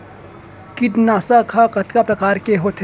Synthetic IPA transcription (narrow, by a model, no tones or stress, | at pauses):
kiʈnaːsakʰakɐt̪kapɾɐkaːɾkeɦot̪ʰ